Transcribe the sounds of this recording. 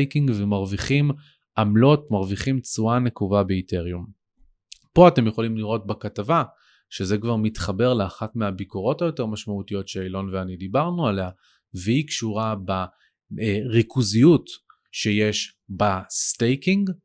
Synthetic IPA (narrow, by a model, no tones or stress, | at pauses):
jkiŋɡvemaʁviχim | amlo̞tmaʁviχimt͡suanekuvabeiteʁjum | po̞ate̞mjeχo̞limliʁo̞t̚bakatava | ʃezekvaʁmitχabe̞ʁleaχatmeabikoʁo̞tajo̞te̞ʁmaʃmautijo̞tʃeelo̞nveanidibaʁnualea | vehikʃuʁaba | ʁikuzijut | ʃejeʃ | bastejkiŋɡ